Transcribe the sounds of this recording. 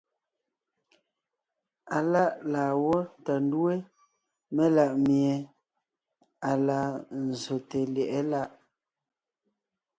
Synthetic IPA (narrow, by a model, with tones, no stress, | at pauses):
a˨la˦ʔlaː˨wɔ˦˨ta˨n˦du˦e˦ | mɛ˦la˨ʔmmje˨ | a˨la˨n̩˨zo˨te˨ljɛ˨ʔɛ˦la˦ʔ